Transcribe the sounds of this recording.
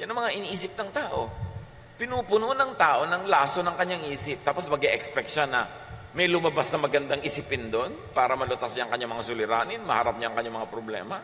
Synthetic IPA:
jɐnɐŋmɐŋaʔɪniʔiːsɪp̚nɐŋt̪aːʔo̞ | pɪnuːpʊnunɐŋt̪aːʔo̞nɐŋlaːso̞nɐŋkɐɲːaŋʔiːsɪp̚t̪aːposmɐɡɛʔɛkspɛk̚ʃanɐ | mɛjlʊmɐbasnɐmɐɡɐnd̪aŋʔɪsipɪnd̪onpaːɾɐmɐlʊt̪ɐsɲaʔɐŋkɐɲamɐŋasʊlɪɾaːnɪnmɐha̰ɾap̚ɲaʔːŋkɐɲamɐŋapɾoblɛ̰ːmɐ

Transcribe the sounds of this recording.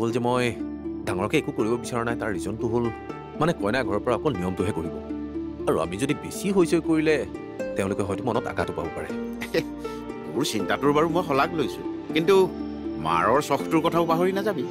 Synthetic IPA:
ɦolzɛmɔjdaŋɔɹɔkɛekukoɹibɔbisaɹɔnajtaɹːizɔntʊɦol | manɛkɔjnajɡʱɔɹɔɹpɔɹaɔkɔlnijɔmtʊɦɛkoɹibɔ̰aɹua̰mizodibisiɦojsojkoɹilɛ | tɛʊ̃lʊkɛɦɔjtʊmɔnɔta̰ka̰tʊpa̰bɔpaɹɛ̰ | mʊɹsintatʊɹbaɹumojxɔlaklojsʊ̰̃kintu | ma̰ɹɔɹsɔxtʊɹkɔtʰaʊpaɦoɹinazabi

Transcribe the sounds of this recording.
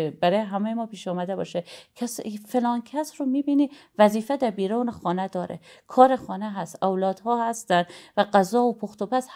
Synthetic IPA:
bæɾɒːjeɦæmejemɒːpiːʃɒːmæd̪ebɒ̰ːʃekʰfelɒːncʰæsɾomiːbiːniːvæziːfed̪æɾbiːɾɒːnexɒːned̪ɒːɾḛkʰɒːɾexɒːneɦæst̪ʔowlɒːd̪̥hɒːhæst̪ænd̪væɢæzɒːopʰoxt̪opæs

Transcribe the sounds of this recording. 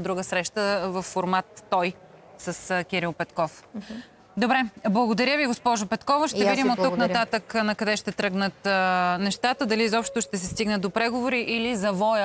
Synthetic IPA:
d̪ɾuɡəsɾɛʃt̪əvɐfːoɾmat̪ːɔj | səskʲiɾilˠpɛt̪kɔf | d̪obɾɛblˠɐɡod̪ɐɾjəviɡospɔʒʊpɛt̪kɔvəʃt̪ɛvid̪imot̪ːuknɐt̪at̪əknɐkɐd̪ɛʃt̪ɛt̪ɾɤɡnət̪nɛʃt̪at̪əd̪ɐlizɔpʃt̪t̪oʃt̪ɛs̬ɛst̪iɡnət̪ːopɾɛɡovoɾiʔilizɐvɔjə

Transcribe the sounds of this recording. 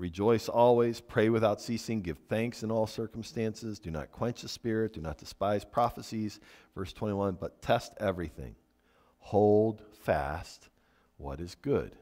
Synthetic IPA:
ɹid͡ʒɔɪsɔlˠwiz̥pʰɹ̥eɪwɨθaʊtsisɪ̃ŋɡɪv̥θæ̃ŋksɨ̃nɔlˠsɜ˞km̩stæ̃nsɪzdɨnə̰t̚kʰw̥ɛ̃nt͡ʃɨspɪɹɨt̚d̥ɨnə̰t̚d̥ɨspaɪz̥pʰɹ̥ɑfəsiz̥v̥ɜ˞stʰw̥ɛ̃ɾ̃iwʌ̃nbʌtʰɛstɛvɹiθɪ̰̃ŋ | hoʊlˠdfæ̰st̚ | wʌ̰ɾɨzɡʊ̰d̥

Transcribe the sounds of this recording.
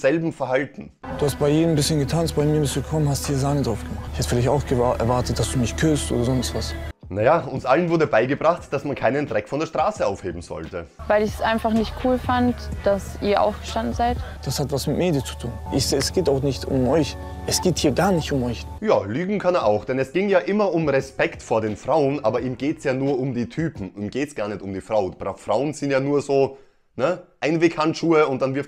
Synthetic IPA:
z̥ɛlbm̩fɛɐhaltn̩d̥uːhast̚b̥aɪjeːnəmbɪsçənɡətʰaːnst̚b̥aɪmiːɐbɪstduɡəkʰɔmənhasthiːɐzaːnədʁaʊfɡ̥əmaχtɪçhatfɪlaɪçtaʊxɡ̥əʔɛ̰ɐvaɐtət̚d̥asd̥uːmɪçkʰʏstʔo̰ːdɐzɔnstv̥asnajaːʔʊnsʔalənvʊɐdəbaɪɡəbʁaχtd̥asmankʰaɪnəndʁɛkfɔndeːtʁ̥aːsəaʊfhḛːbm̩zɔ̰ltəvaɪlɪçɛsʔa̰ɪnfaχnɪçt̚kʰuːlfantd̥asiːɐʔa̰ʊfɡ̥əʃtandn̩zaɪtd̥ashatv̥asmɪtmeːdjət͡su̥tʰuːnʔɪçz̥eːɛsɡ̥eːtaʊxnɪçtʊ̰mʔɔʏç | ʔɛsɡ̥eːthiːɐɡaːɐnɪçtʊmɔʏçjaːlyːɡŋ̩kʰaneɐʔaʊxd̥ɛnɛsɡ̥ɪŋjaːʔɪmɐʊmʁɛspɛktfoːɐdeːnfʁ̥aʊənʔaːbɐʔiːmɡeːtsjaːnuːɐʊmdiːtʰyːpm̩iːmɡ̥eːtsɡ̥aːɐnɛçtʊmdiːfʁ̥aʊbʁafʁ̥aʊənz̥ɪntjaːnuːɐzoː | nəʔaɪnvekhanʃuːəʊntd̥anvɪɐ

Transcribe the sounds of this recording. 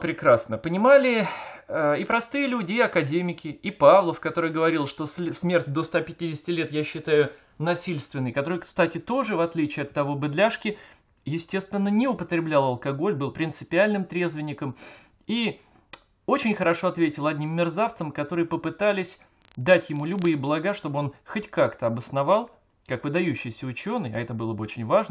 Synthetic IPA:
pɾʲɪkɾasnəpənʲɪmalʲɪəɪpɾɐst̪ɨjəlʲudʲɪɪɐkɐdʲemʲɪkʲɪipavlˠəfkɐt̪o̞ɾɨjɡəvɐɾʲilˠʂt̪o̞ssmʲe̞rt̚ʲd̪ost̪apʲɪtʲidʲɪsʲɪ̥tʲɪlʲe̞t̪jaɕːɪt̪ajʊ | nɐsʲilʲst̪vʲɪnːəjkɐt̪o̞ɾɨjkst̪atʲɪt̪o̞ʐɨvɐt̪lʲit͡ɕɪːɐt̪ːɐvo̞bɨd̪lʲaʂkʲɪ | jɪsʲtʲe̞st̪vʲɪnːənʲɪʊpət̪ɾʲɪblʲalˠɐlˠkɐɡo̞lʲbɨlˠpɾʲɪnt̪sɨpʲɪalʲnɨmt̪ɾʲe̞zvʲɪnʲɪkəm | i | o̞t͡ɕɪnʲxəɾɐʂo̞ɐt̪vʲetʲɪlˠɐdʲnʲimːʲɪrzaft̪səmkɐt̪o̞ɾɨjəpəpɨt̪alʲɪsʲ | d̪atʲjɪmulʲʊbɨjɪblˠɐɡaʂt̪o̞bɨo̞nxotʲkakt̪əɐbəsnɐvalˠ | kakvɨd̪ɐjʉɕːɪjsʲəʊt͡ɕo̞nɨjɐɛt̪əbɨlˠəbəot͡ɕɪnʲvaʐnə

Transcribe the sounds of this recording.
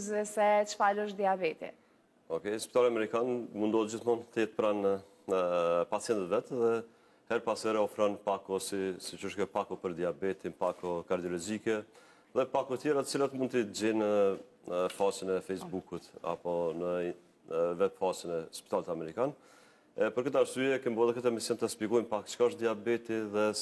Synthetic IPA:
zɛsɛt͡ʃfaləʃ̬d̪iabɛt̪ḭ | ɔkɛjspit̪alamɛɾikanmund̪ɔhɛt̪̚d͡ʑiθmɔnt̪əjɛt̪pɾan | pat͡sjɛnt̪ət̪vɛt̪ðɛ | hɛɾpasɛɾɛɔfɾanpakɔsisit͡ʃuʃkɛpakɔpəɾd̪iabɛt̪inpakɔkaɾd̪iɔlɔzikɛ | ðɛpakɔt̪jɛɾat̪ə̥t͡silat̪mund̪t̪əiəd͡ʑɛnə | fat͡ʃənɛfɛjsbukut̪a̰pɔnə | vɛt̪fat͡ʃənɛspit̪alɛt̪amɛɾikan | ɛpəɾkət̪aɾsyɛkɛmbɔðˠɛɾkət̪ɛmisjɛnt̪əspikɔjnpakt͡ʃkaʃt̪̚d̪iabɛt̪iðɛ

